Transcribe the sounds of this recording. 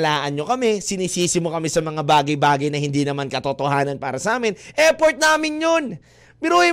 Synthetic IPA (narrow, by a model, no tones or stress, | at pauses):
laːʔɐnɲo̞kɐmɛsɪniːsiːsɪmokɐmɛsɐmɐŋabaːɡɐjbaːɡɐjnɐhɪnd̪inɐmankɐt̪ot̪ohaːnɐnpaːɾɐsɐʔaːmɪnʔɛpoɹt̪̚naːmɪnjon | bɪɾuːɪ